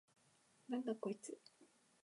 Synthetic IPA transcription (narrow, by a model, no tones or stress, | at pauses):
nãŋkakoit͡sɨ